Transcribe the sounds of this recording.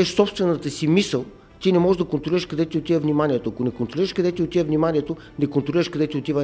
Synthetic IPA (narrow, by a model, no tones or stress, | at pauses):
ʃsɔpst̪vɛnət̪əsimisəlˠ | t̪inɛmɔʒɛʒd̪ɐkont̪ɾoliɾəʃkɐd̪ɛt̪iot̪ivəvnimanʲiɛt̪oɐkonɛkont̪ɾoliɾəʃkɐd̪ɛt̪iot̪ivəvnimaniɛt̪o | nɛkont̪ɾoliɾəʃkɐd̪ɛt̪iot̪ivə